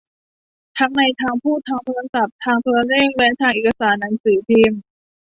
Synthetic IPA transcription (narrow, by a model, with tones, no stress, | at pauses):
t̪ʰa˦˥ŋna˧jt̪ʰaː˧ŋpʰuː˥˩t̪ʰːaː˧ŋt̪ʰo˧la˧ŋsa˨˩p̚t̪ʰaː˧ŋt̪ʰoː˧ɾa˧ɾeː˥˩k̚lɛ˦˥t̪ʰaː˧˩ŋʔeː˨˩kʰːa˧saː˩˦nːaː˨˩˦nsɯː˩˦t̪ʰiː˧m